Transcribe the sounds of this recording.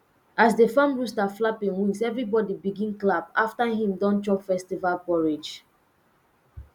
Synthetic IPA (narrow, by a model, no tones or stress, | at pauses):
azdefãmɹustaflapĩnwĩnsɛvɹibɔdibiɡĩnklabaftaɦĩmdɔ̃ntɹɔpfɛstivalpɔɹid͡ʒ